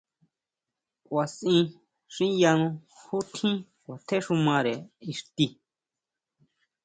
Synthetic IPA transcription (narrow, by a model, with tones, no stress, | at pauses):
kʷwa˨sĩ˧ | ʂĩ˦ja˧nũ˧hu˦t̪ʰĩ˦ | kʷa˨t̪ʰe˦ʂu˧mã˧ɾe˨i˧ʂt̪i˧